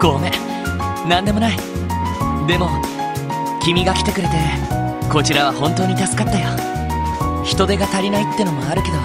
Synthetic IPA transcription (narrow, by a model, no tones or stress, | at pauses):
ɡo̞ːme̞ | nãnd̪e̞mo̞nai | d̪e̞mo̞ | kʲimʲiɡakʲi̥t̪e̞kɯ̟ɾe̞t̪e̞ko̞t͡ɕiɾaβ̞ahõ̞nt̪o̞ːɲ̟it̪asɨ̥kat̪ːajo | çi̥t̪o̞d̪e̞ɡat̪aɾʲinait̪ːeɯno̞moaɾɯ̟ke̞d̪o̞